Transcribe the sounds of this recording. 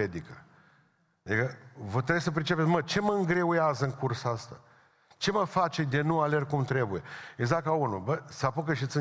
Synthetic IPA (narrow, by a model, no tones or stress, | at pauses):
ed̪ikə | ad̪ikəvət̪ɾejsəp̬ɾʲit͡ʃe̞pesmət͡ʃe̞məɨŋɡɾe̞ujazəɨŋkursaast̪a̰ | t͡ʃe̞məfat͡ʃed̪enuale̞r̚kumt̪ɾe̞buje̞eɡzakaunubəsapokəʃ̬it̪sɨ